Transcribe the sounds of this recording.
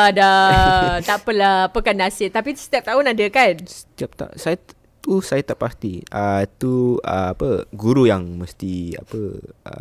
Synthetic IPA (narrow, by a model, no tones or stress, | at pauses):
ada | t̪aʔpəlapəkandasɪt̪apisət̪iap̚t̪aunadəkansə̥t̪iap̚t̪a̰saja | usajat̪aʔpast̪iət̪uə̰apəɡuɾujaŋməst̪ia̰pəə̰